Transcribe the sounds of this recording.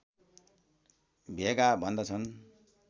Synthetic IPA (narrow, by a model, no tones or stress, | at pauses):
bʱekabʱʌnd̪ʌt͡sʰʌn